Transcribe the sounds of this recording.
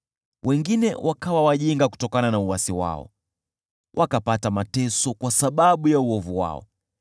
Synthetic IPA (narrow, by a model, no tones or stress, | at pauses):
wʔɛŋɡinɛwʔakawawaʄiŋɡaku̥tɔkananauasiwa̰ɔ̰ | wʔakapatamatɛsɔkwasaɓaɓujauɔvuwa̰ɔ̰